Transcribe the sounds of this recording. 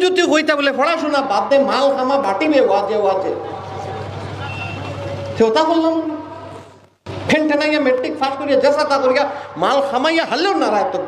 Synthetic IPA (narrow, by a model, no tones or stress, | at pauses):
d͡ʒut̪jukojt̪abulepʰɔɽaʃunababd̪emalkʰamabʱaʈibewad͡ʒjewad͡ʒe | t̪ʰewt̪akolːan | pʰeɳʈʰenajameʈːik̚fʰaʃkoɾijad͡ʒɛsat̪akoɾijamalxamajaɦɐlːeɾnaɾat̪ːo